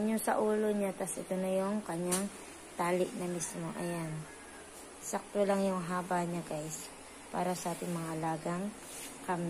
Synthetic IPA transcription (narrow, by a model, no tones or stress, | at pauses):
ɲosɐʔuːlo̞ɲat̪asʔɪt̪onɐjoŋkɐɲːaŋ | t̪aːlɪʔnɐmismo̞ʔɐjan | sɐk̚t̪olaŋjʊŋɦaːbaɲaɡajs | pa̰ːɾɐsɐʔaːt̪ɪŋmɐŋaʔɐlaːɡɐŋ | kɐmɪ